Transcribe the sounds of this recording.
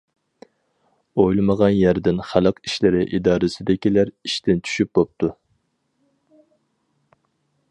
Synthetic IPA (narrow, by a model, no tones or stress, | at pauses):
ojlˠɨməʁɑnjæɾd̪ɪnχælˠəqiʃlɪɾɪʔid̪ɑːɾɨsɪd̪ɪkʲilæɾiʃt̪ʰɪnt͡ʃʰy̥ʃyp̚bop̚t̪ʰu